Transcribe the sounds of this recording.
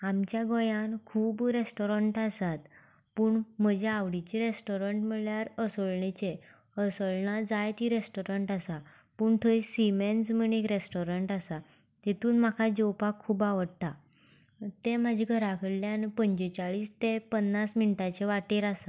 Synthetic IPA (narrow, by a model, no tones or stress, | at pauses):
amt͡ɕjaɡɔjãnkʰuːbɾesʈɔɾəɳʈasat̪ | puːɳməd͡ʑʱeaʋɽit͡ɕiɾesʈɔɾəɳʈm̤əɭjaɾəsəɭɳet͡ɕe | əsəɭnad͡zajt̪iɾesʈoɾəɳʈasa | puːɳt̪ʰəisiment͡sm̤əɳekɾesʈoɾəɳʈasa | t̪et̪uːnmakʰad͡ʑɔwpakʰːuːbaʋəɽt̪a | t̪emad͡ʑʱiɡʱəɾakʰəɽljanpəɲd͡ʑet͡ɕaɭiːst̪epənːasminiʈat͡ɕeʋaʈeɾasa